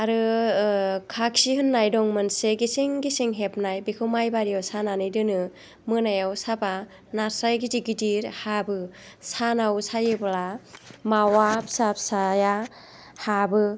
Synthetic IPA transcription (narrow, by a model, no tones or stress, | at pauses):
aɾɯ | kʰak̚sihɯnːajdɔŋmɯnseɡisiŋɡiseŋɦep̚najbekʰɯwmajbaɾijawsananɯjdɯnɯ | mɯnajawsapa | naɾsajɡidiɡidiɾhabɯsanawsajebɯlamawapsapʰsaja | habɯ